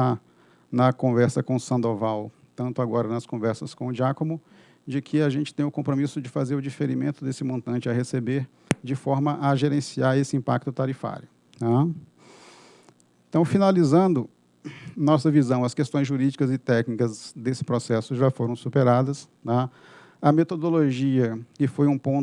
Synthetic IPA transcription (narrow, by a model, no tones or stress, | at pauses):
a | nɐkõvɛɾsɐkõʊsɐ̃nd̪ovaw | t̪ɐ̃nt̪ʊaɡɔɾɐnɐskõvɛɾsɐskõʊd͡ʒiakõmʊ | d͡ʒɪkʰɪaʒẽnt͡ʃɪ̥t̪ẽj̃ʊkõmpɾomisʊd͡ʒɪfazeɾʊd͡ʒifeɾimẽnt̪ʊd̪esɪmõnt̪ɐ̃nt͡ʃɪahesebeɾ | d͡ʒɪfɔɾmɐʔɐʒeɾẽsiaɾesɪĩmpak̚t̪ʊt̪aɾifa̰ɾjʊ | t̪a | ẽt̪ɐ̃w̃finalizɐ̃nd̪ʊ | nɔsɐvizɐ̃w̃ɐskest̪õj̃zʒuɾid͡ʒikɐzɪt̪ɛknikɐzd̪esɪ̥pɾɔsɛsʊʒafoɾɐ̃w̃supeɾad̪ɐst̪a | ɐmet̪od̪oloʒiɐkɪfojũpõ